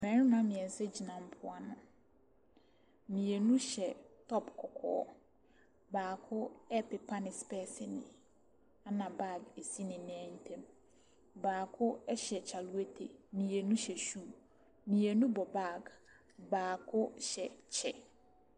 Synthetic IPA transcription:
mɛ̃˨ɾɪ˦nʊ̃˦a˦mɪ̃˨ɛ̃˨n˨sɛ˦d͡ʑi˨nã˨m̩˦pʰʊ˦a˦nʊ̰̃˨ | mĩ˨e˨nũ˦ɕɛ˨tʰɔ˦pkʰɔ˨kʰɔ̰ː˨˦ | baː˨kʰʊ˦ɛ˦pɪ˨pʰa˦nɪ̃˨spɛː˦sɪ˦nɪ̰̃˨ | a˦nã˨ba˦˨ɡe˨si˦nɪ̃˨nɪ̃˦ɛ̃˦n̩˦tʰɛ̃˦m | baː˨kʰʊ˦ɛ˦ɕɛ˨t͡ɕʰa˨lu˦æ˦tʰe˨mĩ˨e˨nũ˦ɕɛ˨ɕu˦˨ | mĩ˨e˨nũ˦bɔ˨ba˦˨ɡ | baː˨kʰʊ˦ɕɛ˨t͡ɕʰɛ˦

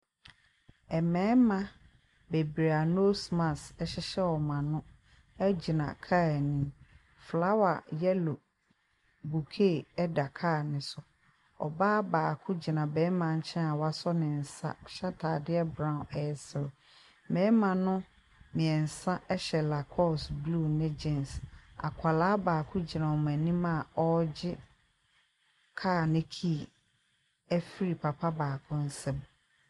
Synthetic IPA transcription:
ɛ˨mɛ̃ː˨˦mã˨ | be˨bɾe˨a˨no˦smã˨sɛ˦ɕɪ˦ɕɛ˦wɔ˨mã˨nʊ̃˦ | ɛ˦d͡ʑi˨nã̰˨kʰa˦˨nĩ˦ | fla˦wa̰˨jɛ˦lo˨ | bu˨kʰe˦˨ɛ˦da˨kʰaː˦˨nɪ̃˨sʊ˦ | ɔ̰˨baː˦baː˨kʰʊ̃˦d͡ʑi˨nã˨bɛ̃˨˦mã˨ɲ̩˦t͡ɕʰɛ̃˦a˨wa˦sɔ˦nɪ̃˨n̩˨sã̰˦˨ɕa˦tʰa˨dɪ˦ɛ˦bɾã˦˨ɛ˨sɪ˨l | mɛ̃ː˦mã˨nʊ̃˦ | mɪ̃˨ɛ˨n̩˨sã˦ʔɛ˦ɕɛ˨la˨kʰɔ˦˨sblu˦˨nɪ̃˦d͡ʑɛ̃˦nsa̰˨kʷʰa˨laː˦baː˨kʰʊ̃˦d͡ʑi˨nã˨ɔ˨m˨æ˨nĩ˦mã˨ɔ˦d͡ʑɪ˦ | kʰaː˦˨nɪ̃˦kʰi˦˨ | æ˦fi˦ɾi˨pʰa˨pʰa˦baː˨kʰʊ̃˦n̩˦sɛ̃˦m

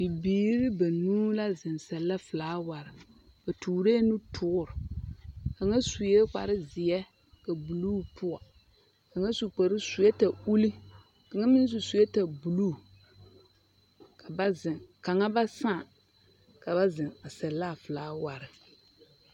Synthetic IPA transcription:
bi˨biː˨˦ɾɪ˦ba˨nuː˦la˦zɪ˨nsɛ˨lːa˦fɨ˨laː˨˦wa˨ɾɪ˨ | b̥a˨tuː˨ɾe˦nu˦tʰʊ˦ʊ˦ɾɪ˨ | ka˨ŋa˦su˨jɛ˦k͡pa̰˨ɾɪ˦zɪ˨jɛ˦ | ka˨bu˨lu˦pʊ˦a˨ | ka˨ŋa˦su˨k͡pa˨ɾɨ˦su˨jɛ˦ta˨u˦li˦ | ka˨ŋa˦mɪ˦n˦s̬u˨su˨jɛ˦ta˨bu˨luː˦˨ | ka˨ba˦zɪ˨ŋka˨ŋa˦ba˦saː˦˨ | ka˨ba˦zɪ˨ŋa˨sɛ˨lːa˦˨fɨ˨laː˦wa˨ɾɪ˨

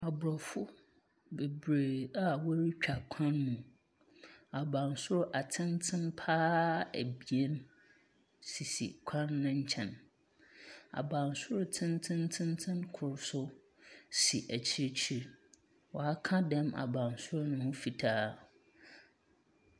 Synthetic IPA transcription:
a˨bʊ˨ɾɔ˨fʊ˦ | be˨bɾe˨a˨wɔ˦ɾi˦t͡ɕᶣa˨kʷʰã˦nːũ˨ | a˨bã˨nsʊ˦ɾʔa˨tʰɪ̃˦ntʰɪ̃˦npʰaː˦æ̰˨bi˨e˦n | si˨sḭ˨kʷʰã˦nːʊ̃˦ɲ̩˦t͡ɕʰɛ̃˨n | a̰˨bã˨nsʊ˦ɾʊ˦tʰɪ̃˦ntʰɪ̃˦ntʰɪ̃˦ntʰɪ̃˦nkʰʊ˨ɾsʊ˦ | si˨ʔæ˨t͡ɕʰi˦ɾt͡ɕʰi˦ɾ | wɔ˨a˦kʰã˦dɛ̃˦ma̰˨bã˨nsʊ˦ɾʊ˦nʊ̃˦hʊ̃˦fi˨tʰaː˦

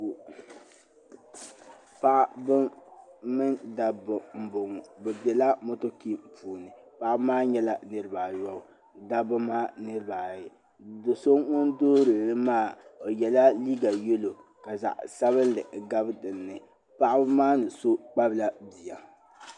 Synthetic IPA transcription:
pa˦ʔbɨ˦mɨ˦nda˨bʊ˨m̩˨bʊ˨ŋ˨bɛ˨bɛ˨la˦mo˦to˦ki˦m̩˨puː˨nɨ˨pa˦ʔbmaː˦ɲɛ˦la˨nɨ˦ɾɨ˦baː˨jɔ˦ʊ˨ | da˦bɨ˦maː˦nɨ˦ɾɨ˦baː˨jɪ˨ | do˨so˦ŋŋʊ˦ndoː˦ɾɨ˨nɨ˦maː˦˨o˨jɛ˨la˦liː˦ɡa˨jɛ˦lo˨ | ka˨za̰˨ʔsa˦βɨ˦n˦lɨ˨ɡa˦bɨ˦dɨ˨nːɨ˨ | pa˦ʔa˦bmaː˦nɨ˨so˦k͡pa˦bla˦bi˨ja˨

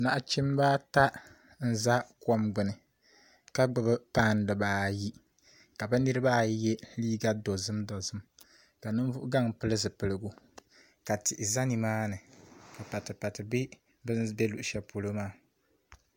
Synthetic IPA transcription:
na˨ʔt͡ʃɪ˦m˦ba˦ta˦ | n̩˦za˦kɔ˦mɡ͡bɨ˨nɨ˨ | ka˦ɡ͡bɨ˨bɨ˦paː˦˨n˨dɨ˨baː˨˦ji˦ | ka˨bɨ˦nɨ˦ɾɨ˦ba˦˨jɛ˦liː˦ɡa˦do˨zɨ˦mdo˨zɨ˦m | ka˨nɨ˦n˦vʊ˦ʔʊ˦ɡa˦˨ŋpɨ˦lɨ˦zɨ˨pɨ˨lɨ˨ɡu˦ | ka˨tɪ˨ʔɪ˨za˦ni˨maː˦nɨ˨ka˨pa˨tɨ˨pa˨tɨ˨bɪ˦ | bɨ˦nbɛ˦lu˨ʔʃɛ˨po˨lo˦maː˦˨

